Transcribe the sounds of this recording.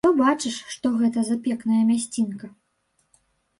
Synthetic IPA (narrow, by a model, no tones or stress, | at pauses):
t̪ɔbat͡ʂɨʂʂt̪ɔɣɛt̪ɐzapʲɛknɐjɐmʲasʲt͡sʲinkɐ